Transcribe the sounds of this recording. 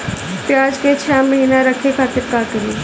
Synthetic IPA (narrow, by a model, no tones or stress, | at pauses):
pjaːd͡ʒket͡ʃʰɛːməɦiːnaɾɐkʰekʰaːt̪ɪɾkaːkəɾiː